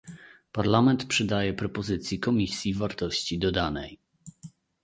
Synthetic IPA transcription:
paɾlamɛnt̪pʂɘd̪ajɛpɾɔpɔzɘt̪sʲjikɔmʲisʲjivaɾt̪ɔɕt͡ɕid̪ɔd̪anɛ̰j

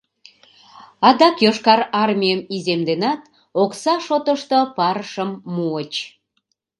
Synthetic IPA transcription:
ɑd̪ɑkjoʃkɑɾɑrmʲijəmizemd̪enɑt̪ | oksɑʃot̪əʃt̪opɑɾəʃəmːuət͡ɕ

